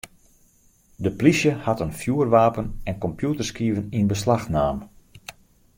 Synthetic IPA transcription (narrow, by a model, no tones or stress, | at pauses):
dəplisjəhatənfjuərʋaːpənɛnkɔmpjutərskiːvəninbəslaxnaːm